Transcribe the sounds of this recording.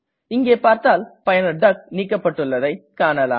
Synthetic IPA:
ɪŋɡeːpaːɾt̪aːlpɐjɐnɐɖɐk̚niːkːɐpːɐʈːɯɭːɐðɐɪkaːɳɐla̰ː

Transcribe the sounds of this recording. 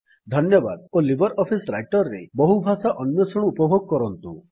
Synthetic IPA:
d̪ʱɔnjɔba̰d̪olibɔɾʔɔpʰisɾajʈɔɾːḛbɔɦubʱasaʔɔnjɔsɔɽ̃uːpɔbʱoɡ̚kɔɾɔnt̪u

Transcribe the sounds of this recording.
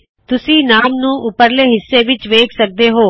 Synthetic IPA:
t̪ʊsĩːnaːmnũːʔʊpəɾleːɦɪsːeːʋɪt͡ʃʋeːksək̚d̪eːɦoː

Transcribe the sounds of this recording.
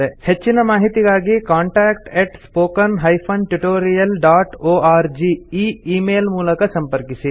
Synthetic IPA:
ehʰet͡ʃːinɐmaːɦit̪ikaːɡikaːɳʈɛːkʈeːʈspoːkɐnɦaːjpʰonʈuʈoːɾijɐlɖaːʈoːaːɾd͡ʒiːiːiːmeːlmuːlɐkɐsɐmpɐɾkisi

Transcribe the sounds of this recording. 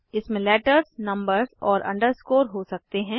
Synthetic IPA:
ɪsmẽlɛːʈəɾznɐ̃mbəɾzɔːɾʔɐ̰̃ɳɖəɾskoːɾɦosɐk̚t̪eɦɛ̃ː

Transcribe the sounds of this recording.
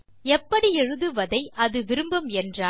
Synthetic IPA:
ɛpːɐɽiɛɻɯðɯʋɐðɐɪʔɐðɯʋɪɾɯmbɐmɛndraː

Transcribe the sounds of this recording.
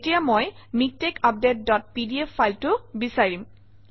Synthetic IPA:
etijamojmik̚tekap̚det̚dɔt̚pidiefʰːajltʊbisaɹim

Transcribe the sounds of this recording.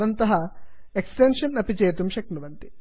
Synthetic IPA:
ɐnt̪ɐɦɐ | eksʈenʂɐnːɐpit͡ʃeːt̪umʃɐknuʋɐnt̪i̥

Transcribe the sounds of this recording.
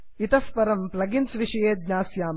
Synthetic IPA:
it̪ɐfpɐɾɐmplɐɡinsʋiʂɐjeːd̪̚ɲʲaːsjaːm

